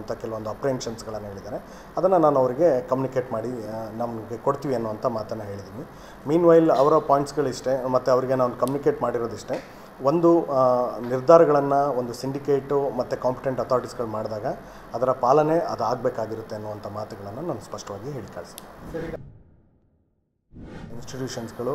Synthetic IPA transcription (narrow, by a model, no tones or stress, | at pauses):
nt̪ʰɐkɛlɐʋond̪uɐpɾeenʂɐnsɡɐɭɐnːɐɦe̞ːɭid̪aːɾe̞ | ɐd̪ɐnːɐnaːnuɐʋɐɾiɡe̞kɐmjunikeːʈmaːɽinɐmɡekoɽt̪iːʋiɐnːuʋɐnt̪ʰɐmaːt̪ɐnːɐɦe̞ːɭid̪iːʋi | miːnʋaːjlɐʋɐɾɐpaːjɳʈsɡɐɭiʂʈe̞mɐt̪ːuɐʋɐɾiɡe̞naːnukɐmjunikeːʈmaːɽiɾoːd̪iʂʈe̞ | ʋo̞nd̪u | niɾd̪ʱaːɾɐɡɐɭɐnːɐo̞nd̪usiɳɖikeːʈumɐt̪ːukaːmpiʈeɳʈɐt̪ʰaːɾiʈisɡɐɭmaːɽd̪aːɡɐː | d̪ɐɾɐpaːlɐne̞ʔɐd̪uaːɡ̚beːkaːɡiɾut̪ːe̞ɐnːuʋɐnt̪ʰɐmaːt̪uɡɐɭɐnːɐnaːnuspɐʂʈɐʋaːɡiɦeːɭika̰ːɭsd̪isɐɾi | insʈiʈjuːʂɐnsɡɐɭu